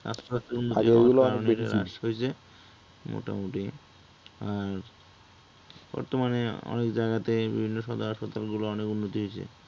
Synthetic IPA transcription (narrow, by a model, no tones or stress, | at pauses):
a̰stoast̪ounːot̪iɡuloaɾonɾɾa̰ʃɦoet͡ɕʰe | mo̰ʈa̰moʈi | aɾ | b̥ɔ̰ɾt̪omaneɔ̰nekd͡ʑaɡat̪ebḭbʱinːoʃɔd̪aaʃpat̪alɡuloɔnekunːot̪iɦojt͡ɕʰḛ